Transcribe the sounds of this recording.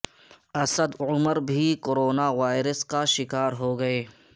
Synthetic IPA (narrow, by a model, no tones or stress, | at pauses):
ɐsəd̪ʊməɾbʱikoɾoːnaʋaːɪɾəskaʃɪkaːɾɦoɡɐeː